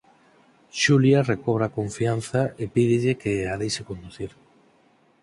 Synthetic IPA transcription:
ʃuljarekoβ̞ɾakoɱfian̟θaepiðɪʎɪkeaðejsekond̪uθiɾ

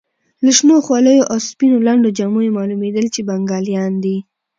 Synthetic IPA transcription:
laʃnoxwɑləjoʔawspinolaɳɖod͡ʒamujemɑlumed̪əlt͡ʃebaŋɡɑljɑnd̪i

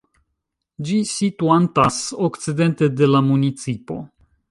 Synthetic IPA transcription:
d͡ʒisit̪uant̪asoktt͡sid̪e̞nt̪ed̪e̞lamunit͡sipo̞̰

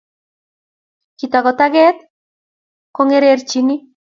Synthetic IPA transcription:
kit̪aɣot̪aɣet̪ | koŋeɾeːɾt͡ʃini

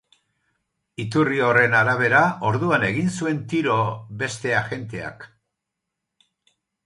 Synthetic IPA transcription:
it̪urio̞re̞naɾaβ̞e̞ɾao̞ɾðuane̞ɣ̞insue̞nt̪iɾo̞βe̞st̪e̞aʝe̞nt̪e̞a̰k

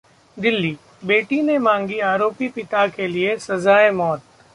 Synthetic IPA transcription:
d̪ɪlːi | beːʈinemãːŋɡiaːɾoːpipɪt̪akeliesɐzaːemɔːt̪̚

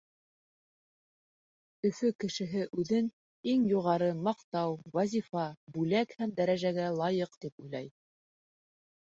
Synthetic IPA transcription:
ɵ̆fɵkɘ̆ʃɘ̆ɦɘʔʉðɘn | iŋjuʁɑɾɤmɑqt̪ɑwwæzʲifɑbʉlækhæmd̪æɾæʒæɡælˠɑjɤqt̪ipujlˠɑj

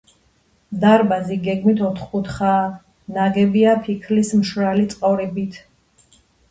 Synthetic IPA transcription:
d̪aɾbaziɡɛɡmit̪ʰɔt̪ʰχkut̪ʰχaː | naɡɛbiapʰikʰlismʃɾalit̪sʼqʼɔɾɛbit̪ʰ

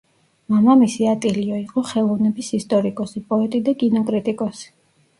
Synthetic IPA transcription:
mamamisiat̪ʼiliɔiqʼɔχɛlˠɔvnɛbisist̪ʼɔɾikʼɔsipʼɔɛt̪ʼid̪akʼinɔkʼɾit̪ʼikʼɔsi̥

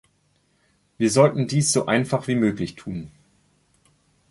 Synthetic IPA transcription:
viːɐzɔltn̩diːsz̥oːʔaɪnfaχv̥iːmøːklɪçtʰuːn

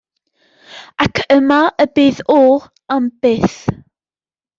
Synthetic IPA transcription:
akʰəmaʔəbeːðɔ | amb̥eːθ

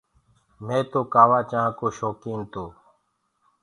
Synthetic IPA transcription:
mẽːt̪oːkaːʋaːt͡ʃãːkoːʃoːkiːnt̪oː

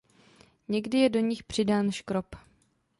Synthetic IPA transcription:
ɲɛɡdɪjɛdo̞ɲɪxpr̝̥ɪdaːnʃkɾop

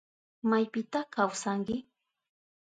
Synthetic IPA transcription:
majpɪt̪akawsaŋkɪ

